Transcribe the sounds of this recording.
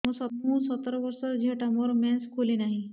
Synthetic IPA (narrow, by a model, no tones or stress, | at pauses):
məsət̪ɦũsət̪ɾʋəɾsəd͡ʑʱeʈəmɔɾmɛ̃nskʰolinaɦi